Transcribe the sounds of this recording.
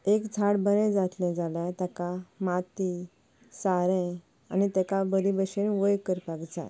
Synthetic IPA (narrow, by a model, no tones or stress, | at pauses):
ekd͡zʱaɽbənɛ̃d͡zat̪lɛ̃d͡zʱalat̪akamat̪i | saɾɛ̃ | a̰nit̪ɛkabəɾibəɕenʋəjkəɾpaɡd͡za̰